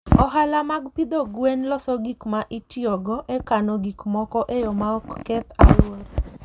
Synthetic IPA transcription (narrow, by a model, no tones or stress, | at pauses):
ɔɦalamaɡpid̪oɡwɛnlɔsɔɡikmaʔitiɔɡɔʔekanɔɡikmɔkɔʔejɔmaɔkkɛt̪a̰lwɔɾ